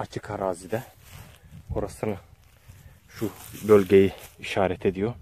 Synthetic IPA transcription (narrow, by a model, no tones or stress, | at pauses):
at͡ʃʰɯkʰaɾaːzid̪ɛ | o̞ɾasɯnɯ | ʃubølʲɟʲe̞jiiʃaːɾɛt̪ʰe̞d̪ijo